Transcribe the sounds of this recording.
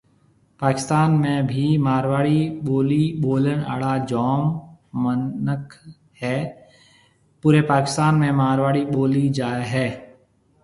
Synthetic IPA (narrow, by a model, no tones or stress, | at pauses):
paːkɪ̥st̪aːnmẽbʱimaːɾʋaːɽiboːliɓoːləna̰ːɽad͡ʒɔːmːənəkʰ | hɛː | puːɾepaːkɪst̪aːnmẽmaːɾʋaːɽiɓoːlid͡ʒaːeɦɛː